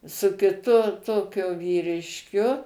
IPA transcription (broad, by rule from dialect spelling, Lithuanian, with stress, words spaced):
sʊ kʲɪˈtʊ ˈtoːkʲʊ ʋʲiːrʲɪʃʲˈkʲʊ